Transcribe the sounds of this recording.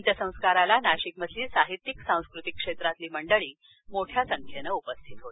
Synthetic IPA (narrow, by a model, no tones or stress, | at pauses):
nt̪jəsə̃w̃skaɾalanaɕikmət̪ʰliːsaɦit̪ːiksãw̃skɾut̪ikːʂet̪ɾat̪liːməɳɖəɭiː | moʈʰjasəŋkʰjenəupəst̪ʰit̪ɦot̪i̥